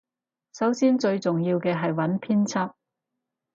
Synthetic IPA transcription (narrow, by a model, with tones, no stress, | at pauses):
sɐ˨˥wsiː˥nt͡ʃɵ˧ɥt͡sʊ˨ŋjiː˧wkɛː˧ɦɐ˨jwɐ˨˥npʰiː˥nt͡sʰɐ˥p̚